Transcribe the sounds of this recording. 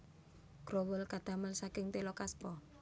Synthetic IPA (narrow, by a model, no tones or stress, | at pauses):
ɡ̥ɾɔwʊlkad̪̥ä̤məlsakɪŋt̪elɔkaspɔ